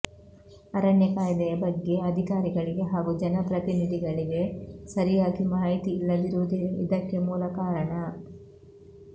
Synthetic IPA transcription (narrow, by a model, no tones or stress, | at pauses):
ɐɾɐɳjɐkaːjid̪ɐjɐbɐɡːe̞ɐd̪ʱikaːɾiɡɐɭiɡe̞ɦaːɡud͡ʒɐnɐpɾɐt̪inid̪ʱiɡɐɭiɡe̞sɐɾijaːɡimaːɦit̪iːlːɐʋiɾuʋud̪iid̪ɐkːemuːlɐkaːɾɐɳɐ